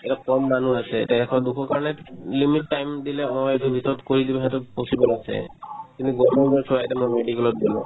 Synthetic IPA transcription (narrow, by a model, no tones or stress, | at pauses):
ɛɾakɔmːanuasʰɛ̰taɛkʰɔd̪ukʰɔkaɹɔnelimiʈːajmd̪ilɛɔɔetubʱit̪ɔɔt̪koɹid̪ibaɦɛt̪uposibɔlasʰɛ̰t̪iniɡɔmɔzasɔajtɛmɔmeɖikɛlɔt̚d̪ilɔ̰